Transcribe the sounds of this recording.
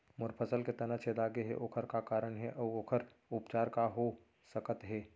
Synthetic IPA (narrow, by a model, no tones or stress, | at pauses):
mʊɾpʰəsəlket̪ɐnət͡ʃʰed̪aːɡeɦḛʔoːkʰəɾkakaːɾəɳɦɛʔɔːoːkʰəɾ | ʊpt͡ʃaːɾkaɦo | səkət̪ɦɛː